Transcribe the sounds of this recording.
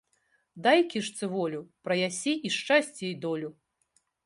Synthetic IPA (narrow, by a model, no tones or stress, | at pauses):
d̪ajkʲiʂt̪sɨvɔlʲupɾɐjasʲɛʔiʂt͡ʂasʲt͡sʲɛjd̪ɔlʲu